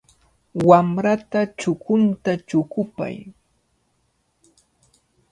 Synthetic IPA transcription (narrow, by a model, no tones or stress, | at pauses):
wamɾat̪at͡ʃʊkʊnt̪at͡ʃʊkʊpa̰j